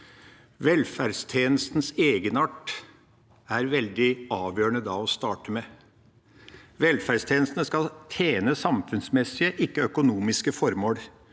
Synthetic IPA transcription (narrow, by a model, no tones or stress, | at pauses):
ʋɛlfæɖst̪ʰjeːnəst̪n̩seːɡənɑʈ | æɾʋɛld̪ɪɑːʋjøːɳəd̪ɑɔst̪ɑːʈəmɛ | ʋɛlfæɖst̪ʰjeːnəst̪nəskɑlt̪ʰjeːnəsɑmfʉnsmɛsːɪəʔɪkːəœkʊnuːmɪskəfɔɾmoːɽ